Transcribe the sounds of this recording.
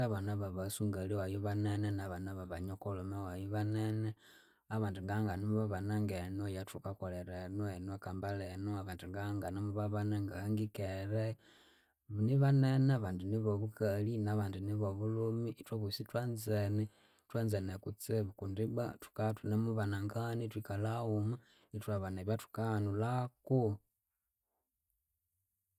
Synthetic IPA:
aβanaβaβasuŋɡaliwajoβanenenaβanaβaβaɲokolumewajuβanene | aβaːndiŋɡaŋɡaniβaβanaŋɡenojatukakoleɾenoenwokambalenoaβandiŋɡaŋɡanamuβaβanaŋɡaaŋɡikeɾe | niβaneneaβandiniβoβukalinaβaːndiniβoβulumiʔtwoβusitwanzenɛ | twanzenekut͡seβukundiba̰tu̥katunemuβanaŋɡanitwikalauma | nitwaβaneβjatu̥kanulaku

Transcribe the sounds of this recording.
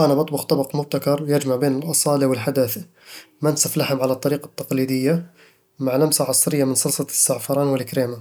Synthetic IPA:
ʔænæbɑt̪ˤbɑqt̪ˤɑbɑqmʊb̚t̪akɑɾˤjæd͡ʒmaʕbenəlʔɑsˤɑliwəlħad̪æθ | mænsæflaħəmʕalæt̪ˤːɑɾiːqɑt̪ːɑqlid̪əjːa | maʕlæmsaʕɑsˤɾəjːamənsɑlsˤɑsːɑʕfɑɾˤɑnwəlkɾema

